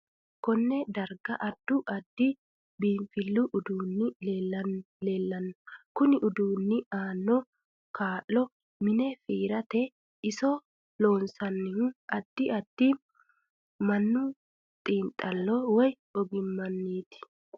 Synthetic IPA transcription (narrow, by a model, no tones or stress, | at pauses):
kɔnːɛd̪ɐɾɡɐʔɐd̪ːʊʔɐd̪ːɪ | biːmfɪlːuʔʊd̪uːnːɪ | leːlːɐnːɔ̥kʊnɪʔʊd̪uːnːɪʔaːnːɔ | kaːʔːɔ | mɪnɛfiːɾɐt̪ɛ | ɪsoː | lo̞ːnsɐnːɪhʊʔɐd̪̥ːɪɐd̪̥ːi | mɐnːu | t̪ʼiːnt̪ʼɐlːoːwɔj | ɔɡɪmːɐnːiːt̪ɪ̥